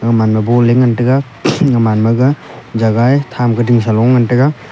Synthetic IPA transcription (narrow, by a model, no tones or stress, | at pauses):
ŋamanmabɔlːeŋantɯɡa | ŋamanmɐɡad͡ʒaɡajtʰamkɯdiŋs̬alɔŋːantɯɡa